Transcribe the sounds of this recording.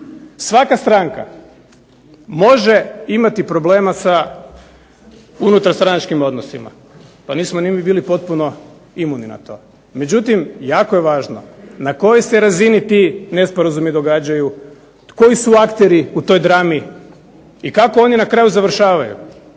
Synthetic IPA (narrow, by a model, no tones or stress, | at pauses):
sʋakast̪ɾaŋka̰ | mo̞ʒe̞imat̪ipɾo̞ble̞ːmasa | unut̪aɾst̪ɾanat͡ʃkimo̞d̪nosḭma̰ | paniːsmonimibiːlipo̞t̪̚puno̞ | imunina̰t̪o̞ː | me̞d͡ʑut̪imjaːko̞jeʋaːʒno̞̰nako̞jeseɾazinit̪ine̞spo̞ɾazumid̪o̞ɡaːd͡ʑaju | ko̞isuakt̪e̞ɾiut̪o̞ːjd̪ɾami | ikakoo̞ninakɾaːjuzaʋr̩ʃaːʋajṵ